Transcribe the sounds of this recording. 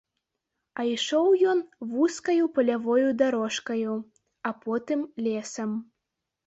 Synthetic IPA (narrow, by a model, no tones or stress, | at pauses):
ɐiʂɔwjɔnvuskɐjupɐlʲavɔjud̪aɾɔʂkɐju | ɐpɔt̪ɨmlʲɛsɐm